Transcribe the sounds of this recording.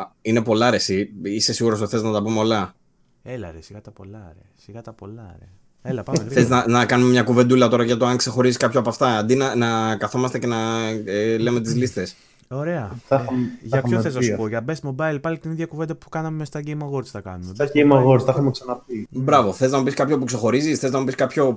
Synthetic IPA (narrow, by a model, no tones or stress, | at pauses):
ine̞po̞lɐɾesiise̞siɣuɾostoθe̞znɐt̪ɐpumeolɐ | elɐɾesiɣɐt̪ɐpo̞lɐɾḛsiɣɐt̪ɐpo̞lɐɾḛ | elɐpɐmθeznɐnɐkɐnumemɲɐkuve̞nd̪ulɐt̪o̞ɾɐʝɐt̪oɐŋkse̞xo̞ɾiziskɐpçoɐpɐft̪ɐɐnd̪inɐnɐkɐθo̞mɐst̪ece̞nɐ | leme̞t̪izlist̪es | o̞ɾe̞ɐθɐxɐʝɐɐoθesɐspoʝɐbesmo̞bɐilpɐlit̪iniðʝɐkuvend̪ɐpu̥kɐnɐmmest̪ɐɟejmɐɣo̞ɾt͡sθɐkɐnumeɐejmɐɣoɾsθɐxɐmeksɐnɐpibɾɐvo̞θeiznɐmupiskɐpço̞pukse̞xo̞ɾizisθeznɐmupiskɐpço̞